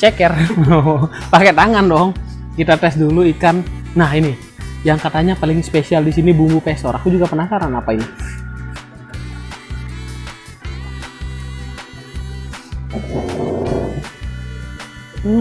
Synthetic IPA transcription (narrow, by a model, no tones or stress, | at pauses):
t͡ʃɛkɛr | pakɛt̪aŋandɔŋ | kit̪at̪ɛsduluikanːahini | jaŋkat̪aɲapalɪŋspesialdisinibumɡupɛsɔɾʔakud͡ʒuɡapənasaɾanapaini